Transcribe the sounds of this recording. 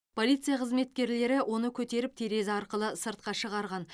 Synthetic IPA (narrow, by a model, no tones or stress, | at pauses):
pʰo̞lˠijt̪sɨjaqʰəzme̞t̪̚kʲe̞ɾle̞ɾɪwʔo̞nəkʲʰɵt̪e̞ɾɪp̚t̪ʰeɾe̞zɪɑɾqəlˠəsəɾt̪̚qɑʃəʁɑɾʁɑn